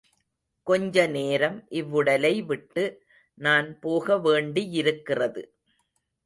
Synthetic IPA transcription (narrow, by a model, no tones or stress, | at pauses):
kɔɲd͡ʒɐneːɾɐmʔɪʋːɯɽɐlɐɪʋɪʈːɯ | naːnpoːɣɐʋeːɳɖiɪɾɯkːɪrɐðɯ